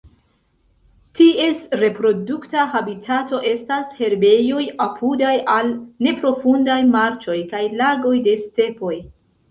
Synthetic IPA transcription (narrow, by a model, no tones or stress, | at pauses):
tie̞sɾe̞pɾo̞duktahabitʰato̞ʔe̞stashe̞ɾbe̞jo̞japʰudajʔalne̞pɾo̞fundajmaɾt͡ʃo̞jkajlaɡo̞jde̞ste̞po̞j